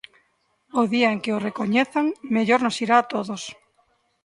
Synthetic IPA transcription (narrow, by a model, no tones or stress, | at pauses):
oðiaeŋkeorekoɲeθaŋmeʎoɾnosiɾaːt̪oðos